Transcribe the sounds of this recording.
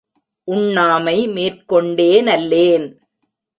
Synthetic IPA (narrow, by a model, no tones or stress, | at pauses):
ʔʊɳːaːmɐɪmeːrkɔɳɖeːnɐlːeːn